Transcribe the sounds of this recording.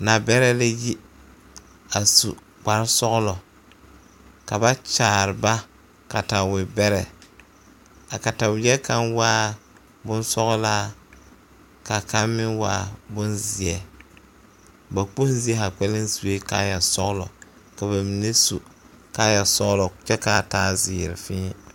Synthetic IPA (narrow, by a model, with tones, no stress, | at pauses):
na˨bɛ˦ɾɛ˦la˦ji˦ | a˨sṵ˨ | k͡pa˨ɾsɔ˦ɣlɔ˨ | ka˨ba˦t͡ʃaː˨ɾɪ˨ba˦ | ka˨ta˨wɪ˨bɛ˦ɾɛ˨ | a˨ka˨ta˨wjɛ˦ka˦nwaː˦ | bʊ˦nsɔ˦ɣɔ˦laː˦ | ka˨ka˦mːɪ˦nwaː˦bʊ˦nzɪ˨ɛ˨ | ba˨k͡po˦nzi˨˦ɛ˦ha˨k͡pɛ˦lɪ˦nsu˨we˦ka̰˦ja˨sɔ˦ɣlɔ˨ | ka˨ba˨mi˨ne˦su˨ | ka˦ja˨sɔ˦ɣlɔ˨t͡ʃɛ˦ka˦˨taː˦zɪː˨ɾɪ̰˨fɪː˦